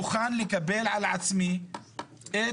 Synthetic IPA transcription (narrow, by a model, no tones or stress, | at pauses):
uxanlekabelʕalʕat͡smi | ʔe